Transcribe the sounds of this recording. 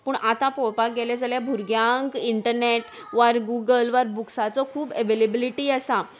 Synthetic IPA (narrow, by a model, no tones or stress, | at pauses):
puːɳʔat̪apoɭpaɡeled͡zaljabʱuɾɡjãŋkiɳʈəɾneʈ | ʋəɾɡuɡəlʋəɾbuksat͡sɔkʰuːbəʋelebiliʈiːəsa